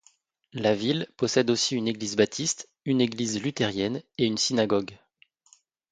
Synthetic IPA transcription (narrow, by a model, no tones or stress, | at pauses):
lavilpɔsɛd̪osiyneɡlizbat̪ʰist̪ | yneɡlizlyt̪ɛʁjɛneynsinaɡɔɡ